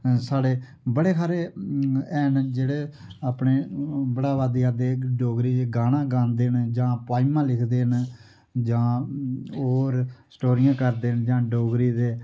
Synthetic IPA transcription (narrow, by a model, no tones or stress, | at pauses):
saːɽeː | bəɽeːkʰaːɾeː | ɛːnd͡ʒeːɽeːaːpɳeːbəɽaːʋaːd̪ijaːd̪eːɖoːɡɾiːd̪eːɡaːnãːɡãːnd̪eːnd͡ʒãːpaːimãːlɪkʰd̪eːn | d͡ʒãː | oːɾsʈoːɾɪjãːkəɾd̪eːnd͡ʒãːɖoːɡɾiːd̪eː